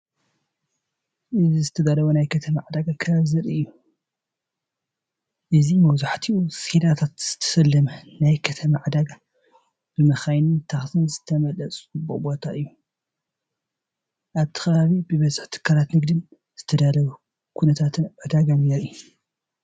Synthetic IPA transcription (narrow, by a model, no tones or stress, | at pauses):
ʔɨzizɨt̪ʰɐd̪alɐβunajkʰɐt̪ʰɐmaʕd̪aɡakʰɐβzɨɾiɨjːu | ʔɨzimɐβzaħt̪ʰiused̪at̪ʰat̪z̥ɨ̥t̪ʰɐ̥sɐlːɐmɐnajkʰɐt̪ʰɐmaʕd̪aɡa | b̥ɨmɐxajnɨnt̪ʰaxsɨnzɨt̪ʰɐmɐlːɐt͡sʼbobo̞t̪ʰaʔɨjːu | ʔaβt̪ʰɨ̥xɐβaβibɨβɐzɨħt̪ʰɨ̥kʰːalat̪nɨɡd̪ɨn | z̥ɨt̪ʰɐd̪alɐβu | kʰunɐt̪ʰat̪ʰɨnʕɨd̪aɡanjɛɾi